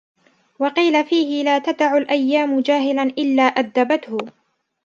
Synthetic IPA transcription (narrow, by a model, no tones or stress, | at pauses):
wɑqiːlafiːhɪlaːt̪ad̪aʕʊlʔajːaːmʊd͡ʒaːɦɪlanʔɪlːaːʔad̪ːabat̪hʊ